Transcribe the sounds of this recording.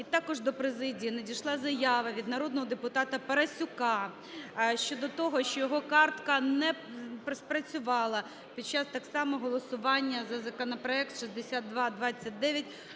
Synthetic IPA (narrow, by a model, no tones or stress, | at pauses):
it̪ɑkɔʒd̪ɔpɾezɪdʲijinedʲijʃlˠɑzɐjɑʋɐʋʲid̪nɐɾɔd̪nɔɦɔd̪epʊt̪ɑt̪ɐpɐɾɐsʲʊkɑ | ʃt͡ʃɔd̪ɔt̪ɔɦɔʃt͡ʃɔjɔɦɔkɑrt̪kɐnɛpɾspɾɐt͡sʲʊʋɑlˠɐ | pʲid̪̚t͡ʃːɑst̪ɑksɑmɔɦɔlˠɔsʊʋɑnʲːɐzɐzɐkɔnɐpɾɔɛkt̪ʃisʲd̪esʲat̪̚ːʋɑd̪ʋɑt͡sʲːɐt̚ʲd̪ɛʋʲjɐt̚ʲ